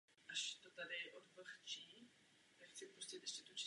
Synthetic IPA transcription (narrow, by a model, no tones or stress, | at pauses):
ʔaʃt̪ot̪adɪʔod̪vr̩xt͡ʃiː | t̪akxt͡sɪpɾuscɪt̪ʔɛʃcɛt̪ut͡ʃi